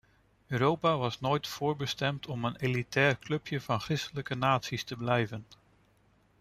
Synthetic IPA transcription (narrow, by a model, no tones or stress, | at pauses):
øːɾowpaːʋɑsnojtfʊːɹbəstɛmtʰɔmənelitɛːrklɵpjəv̥ɑnχrɪstələkənaːtsistəblɛjvən